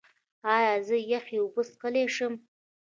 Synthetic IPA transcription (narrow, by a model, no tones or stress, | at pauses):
ɑːjɑzəjaχʲiubəsqəleʂəm